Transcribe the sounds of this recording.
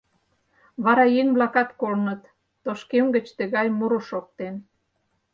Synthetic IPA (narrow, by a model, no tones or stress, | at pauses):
βɑɾɑjeŋβlɑkɑt̪kolnət̪ː | oʃkemɡət͡ɕt̪ə̆ɣɑjmuɾoʃok̚t̪en